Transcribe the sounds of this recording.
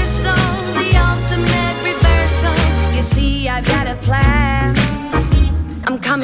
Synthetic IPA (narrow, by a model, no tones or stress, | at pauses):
soʊ̃nðiɔlˠtɨmɨt̚ɹɨvɜ˞sõʊ̃njɨsiaɪvɡɑɾɨpʰl̥æn | ãɪ̃mkʰʌm̃